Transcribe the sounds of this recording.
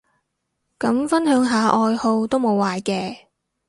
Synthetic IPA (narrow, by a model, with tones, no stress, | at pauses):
kɐ˨˥mfɐ˥nɦœː˨˥ŋɦaː˨˧ʔɔː˧jho˧wt̪o˥wmo˨˧waː˨jkɛː˧